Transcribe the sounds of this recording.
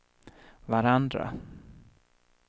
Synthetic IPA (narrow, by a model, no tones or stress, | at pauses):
vaɾand̪ɾa̰